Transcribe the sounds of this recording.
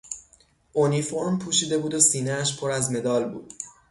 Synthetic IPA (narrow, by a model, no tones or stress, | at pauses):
ʔonifo̞ɾmpʰuːʃiːd̪e̞buːd̪osiːneæʃpʰo̞ɾæzme̞d̪ɒːlbṵːd̪̥